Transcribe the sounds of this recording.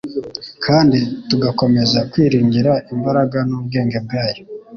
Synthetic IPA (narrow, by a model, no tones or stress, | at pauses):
kʰaːndituɡako̞me̞zakwiːɾiːŋɡiɾaʔimbaɾaɡanobɡe̞ːŋɡeb̚ɡaːjo